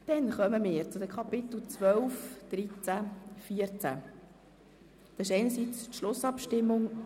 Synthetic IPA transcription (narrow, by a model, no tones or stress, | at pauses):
d̪̥ɛnχœməmɪːɾt͡sʊd̪əkʰɑpɪt̪l̩t͡sʋœlfd̪̥ɾit͡sæfiəɾt͡sæ̰ | d̥̪ɑsɪʃɛɪnəɾsit͡stʃlʊsɑpʃtɪmːʊŋ